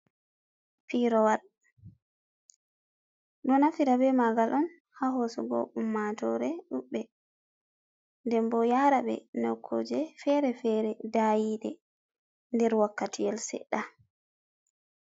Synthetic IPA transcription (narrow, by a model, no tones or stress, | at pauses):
fiɾɔwal | ɗɔnafiɾabɛmaɡalʔɔn | haɦosɔɡɔ̰ʔumːatɔɾɛɗuɓːɛ | ndɛmbɔjaɾaɓɛ̰nɔkʰːod͡ʒɛfɛɾɛfɛɾɛdajiɗɛ | ndɛɾwakːatʰijɛlsɛ̰ɗa